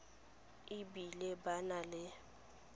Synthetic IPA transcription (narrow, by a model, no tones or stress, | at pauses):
ɪbilɪbanalɪ